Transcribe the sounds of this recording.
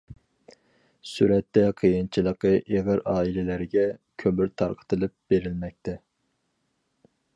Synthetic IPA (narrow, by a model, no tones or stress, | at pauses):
syɾɛt̪ːɛqʰijɨnt͡ʃʰilˠəqəʔeʁəɾɑːilɪlæɾɡʲɛkʲʰømyɾt̪ʰɑ̰ɾqʰə̥t̪ʰɨlˠɨp̚b̥eɾɪlmɛk̚ʲt̪ʰɛ